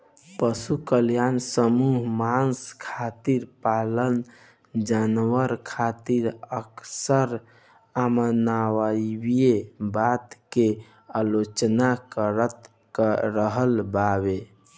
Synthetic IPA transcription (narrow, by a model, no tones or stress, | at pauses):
pəsukəljansəmuɦmanskʰat̪iɾpalən | d͡ʒanwəɾkʰat̪iɾəksəɾ | amənawaibijebat̪ke | alot͡ʃnakəɾət̪ | kɾəɦəlbaβe